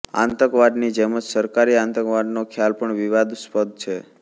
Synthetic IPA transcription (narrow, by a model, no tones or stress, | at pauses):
ã̰nt̪əkʋaɖnid͡ʒɛməd͡ʒsəɾkaɾiãnt̪əkʋaɖnokʰjalpəɳʋiʋad̪spəd̪̚t͡ʃʰe